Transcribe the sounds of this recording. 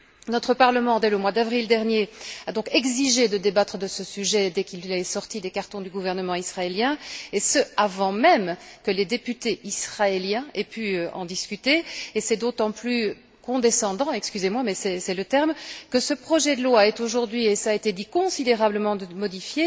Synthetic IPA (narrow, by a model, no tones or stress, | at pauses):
nɔt̪χəpaʁləmɑ̃d̪ɛləmwad̪avʁild̪ɛʁnjead̪ɔ̃kɛɡziʒed̪əd̪ebat̪χəd̪əsəsyʒɛd̪ɛkilɛsɔʁt̪id̪ekaʁt̪ɔ̃d̪yɡuvɛʁnəmɑ̃isχaeljɛ̃esəavɑ̃mɛmkəled̪epyt̪eisχaeljɛ̃epyøɑ̰̃d̪iskʲyt̪eesɛd̪ot̪ɑ̃ply | kɔ̃d̪esɑ̃d̪ɑ̃ɛkskʲyzemwamɛsɛsɛlət̪ɛʁmkəsəpχɔʒɛd̪əlwaːɛt̪oʒuʁd̪ɥiesaːet̪ed̪ikɔ̃sid̪eʁabləmɑ̃d̪mɔd̪ifje